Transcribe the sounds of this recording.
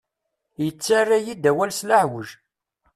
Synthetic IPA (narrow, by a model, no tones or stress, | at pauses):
jət͡sːarːajid̪æwælslaħwəʒ